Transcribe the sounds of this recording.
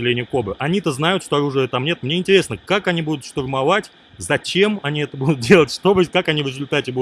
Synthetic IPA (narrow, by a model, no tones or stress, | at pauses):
ɪlʲenʲɪjʊkobɨʔɐnʲit̪əznajʊt̪ʂt̪oɐɾuʐɨjət̪amnʲe̞t̪mnʲeɪnʲtʲɪɾʲe̞snəkakɐnʲibud̪ʊt̪ʂt̪ʊrmɐvatʲ | zɐt͡ɕe̞mɐnʲiɛt̪əbud̪ʊt̪̚dʲelˠətʲʂt̪obəkakɐnʲivɾʲɪzʊlʲt̪atʲɪbu